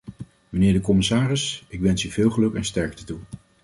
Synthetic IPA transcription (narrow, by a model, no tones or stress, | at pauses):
mənɪːɹdəkɔmɪsaːrɪsɪkʋɛnsyvɪːlˠχəlɵkɛnstɛɹk̚tətu